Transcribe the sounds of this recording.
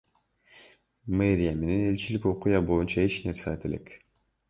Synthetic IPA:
meɾʲijame̞ne̞ne̞lʲt͡ʃiliko̞qujɑbo̞junt͡ʃɑet͡ʃne̞ɾseat̪e̞lʔe̞̰k

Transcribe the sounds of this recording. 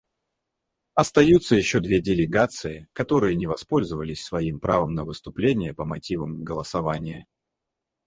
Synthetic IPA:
ɐst̪ɐjut̪səjɪɕːo̞d̪vʲedʲɪlʲɪɡat̪sɨɪkɐt̪o̞ɾɨjənʲɪvɐspo̞lʲzəvəlʲɪsʲsvɐimpɾʔavəmnəvɨst̪ʊplʲenʲɪjəpəmɐtʲivəmɡəlˠəsɐvanʲɪjə

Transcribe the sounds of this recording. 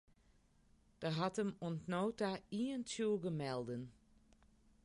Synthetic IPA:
d̥əɦatəmɔntnoːtaiəntʰjuəɡəmɛlˠdən

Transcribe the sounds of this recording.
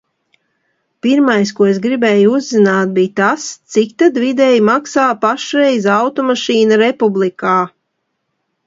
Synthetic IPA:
piɾmajskuɔesɡɾibɛːjuuzːinaːt̪̚biːt̪ast̪sikt̪ad̪vid̪ɛjmaksaːpaʃɾɛjzawt̪ɔmaʃiːnaɾepublˠikaː

